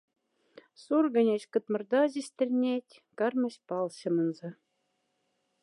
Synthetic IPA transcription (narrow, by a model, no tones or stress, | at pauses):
surɡɤ̆nʲeɕkɤ̆t̪mɤ̆rd̪ɑʑisʲt̪ʲɘ̆rʲnʲetʲ | kɑ̆rmɤ̆ɕpɑlˠɕɤ̆mɤ̆nzɤ̆